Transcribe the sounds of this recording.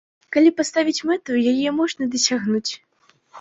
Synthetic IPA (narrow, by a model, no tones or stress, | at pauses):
kalʲipast̪avʲit͡sʲmɛt̪ujajɛmɔʐnɐd̪ɐsʲaɣnut͡sʲ